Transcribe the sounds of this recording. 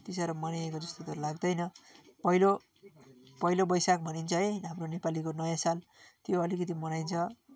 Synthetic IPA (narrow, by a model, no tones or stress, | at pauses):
t̪esʌɾʌmʌnajekod͡zʌst̪ot̪ʌɾʌlaɡd̪ʌjnʌpʌɦilo | pʌɦilobʌjsak̚bʱʌnint͡sʰʌʌɦamronepalikonʌjasalt̪joʌlikʌt̪imʌnajnt͡sʰʌ